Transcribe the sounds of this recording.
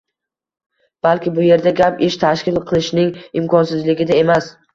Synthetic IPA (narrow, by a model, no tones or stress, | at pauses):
b̥alˠkʲɪbʊje̞ɾd̪aɡʲapeʃt̪ʰaʃkʲɪlˠqʰɨlˠɪʃnɪŋɪmkʰɒnsɪzlɪɡʲɪd̪ae̞mas